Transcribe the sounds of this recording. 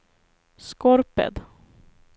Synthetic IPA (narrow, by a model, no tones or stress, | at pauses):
skɔɾpə̰d̪